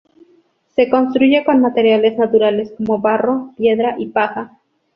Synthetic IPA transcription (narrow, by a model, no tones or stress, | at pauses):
se̞ko̞nst̪ɾuʝe̞ko̞nmat̪e̞ɾjale̞znat̪uɾale̞sko̞mo̞βaro̞pje̞ðɾaʔipaxa